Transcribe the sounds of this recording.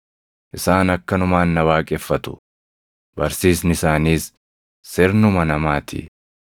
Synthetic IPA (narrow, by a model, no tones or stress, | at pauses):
ʔɪsaːnɐkːɐnʊmaːnːɐwaːkʼɛfːɐt̪ʊ̥̰ | bɐɾsiːsnɪsaːniːsː | ɪɾnʊmɐnɐmaːt̪ʰḭ